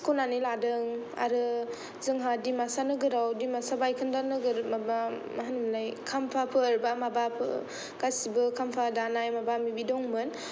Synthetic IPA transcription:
skonaniladɯŋa̰ɾɯ | zɯŋɦadimasanɯɡɯɾawdimasabajkʰɯndanɯɡɯɾmaba | maɦanɯmlajkʰampʰapʰɯɾbamabapʰɯ̰ | ɡ̥asibɯkʰampʰadanajmabamibidɔŋmɯn

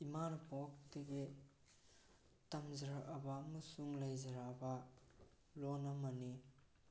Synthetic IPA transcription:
imanɐpok̚dɐɡi | tɐmzɾaɐbɐmɐsuŋlajzɐɾabɐ | lonɐmani

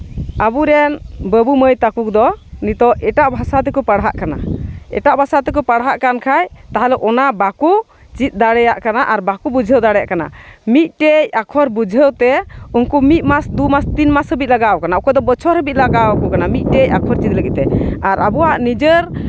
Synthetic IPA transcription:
abuɾɛnbəbuməjt̪akuk̚d̪ɔnit̪ɔʔɛʈaʔbʱasat̪̬ɛkɔpaɽɦa̰ʔkana̰ɛ̰ʈaʔbʱasat̪ɛk̬ɔpaɽɦaʔkankʰajt̪aɦalɛʔɔnabaku | t͡ʃit̪̚ˀd̪aɽɛjaʔkanaʔaɾbakubud͡ʒʱəwd̪aɽɛja̰ʔkana̰mit̪̚ˀʈejakʰɔɾbud͡ʒʱəwt̪ɛunkumit̪̚ˀmasd̪umast̪inmashɦəbit̪̚laɡawkanaukɔd̪ɔbɔt͡ʃʰɔɾhəbit̪̚laɡawkukanamit̪̚ˀʈejakʰɔɾt͡ʃit̪̚ləɡit̪ɛaɾabuwaʔnid͡ʒəɾ

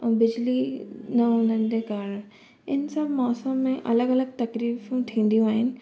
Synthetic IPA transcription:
bɪd͡ʑlinɐɦʊn̤ənɪd͡ʑeːkaːɾ | ɪnsamɔːsə̃mːẽʔɐ̰ləɡɐləɡ̚t̪ɐkɾiːfũt̪ʰĩːn̆d̪ijũaːɦɪnɪ̆

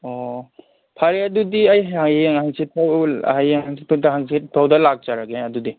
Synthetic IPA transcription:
ɔ | pʰaɾeɐdudiajaŋaŋhaŋsitʰaw̰hajaŋaŋsiɦaŋsitʰawdɐlak̚zaɾaɡeɐdudi

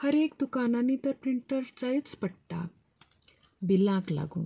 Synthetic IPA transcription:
həɾekd̪ukananːit̪əɾpɾiɳʈəɾt͡sajt͡spəɽʈ̪a̰ | bilãkla̰ɡṵ̃

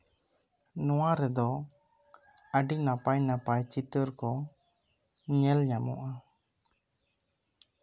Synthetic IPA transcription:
nɔwaɾɛd̪ɔ | əɖinapajnapajt͡ʃit̪əɾkɔ | ɲɛlɲamɔ̰ʔa

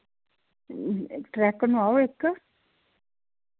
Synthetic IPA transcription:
t̪ɾɛhkanuawehkːḁ

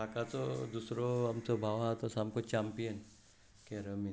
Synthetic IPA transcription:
akat̪od̪uːsɾoɐmt̪obʱaːʋɦat̪osaːmkot͡ʃaːmpijən | keɾəmi

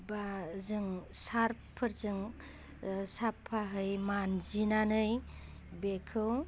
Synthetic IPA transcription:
bazɯŋsaɾpʰɯɾzɯŋ | sapʰaɦɯjmanzinanɯj | bekʰɯw

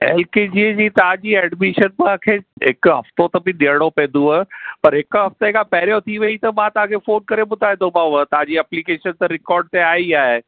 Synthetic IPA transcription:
ḛːlked͡ʑiːd͡ʑiːt̪ɐɦãd͡ʑiːɛːɖmɪʃənmãkʰeːɦɪkɦɐ̰ft̪ot̪ɐbɪɗiəɽ̃opɛ̃ːnd̪uapɐɾɦɪkɦɐft̪ekapɛːɾijot̪ʰiʋɐit̪ɐmãt̪ɐɦãkʰefoːnkɐɾeɓʊd̪ʱaːĩnd̪õbaːʋət̪ɐɦãd͡ʑiːɐplikeːʃənt̪ɐɾɪkɔːɾɖ̚t̪eaːiaːɦe

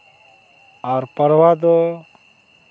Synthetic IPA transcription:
aɾpəɾwad̪ɔ

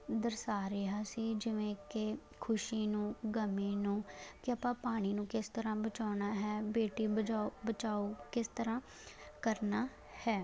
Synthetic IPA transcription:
d̪əɾsaːɾɪɦaːsiːd͡ʒɪʋẽːke | kʰʊʃiːnũːɡəmiːnũːkɪəpãːpaːɽ̃iːnũːkɪst̪əɾãːbət͡ʃaːnaːɦɛːbeːʈiːəaːbət͡ʃaːoːkɪst̪əɾãː | kəɾnaː | hɛː

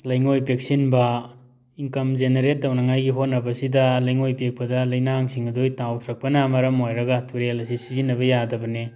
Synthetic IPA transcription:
lɐjŋojpek̚sinbɐ | iŋkɐmzeneɾet̚ːɐwnɐŋajɡiɦot̚nːɐbɐsidɐlɐjŋojpek̚pɐdɐlɐjnaŋsiŋɐdojtawtʰɾɐk̚pɐnɐmɐɾɐmojɾɐɡɐtʰuɾelɐsisizinːɐbɐjadɐbɐne

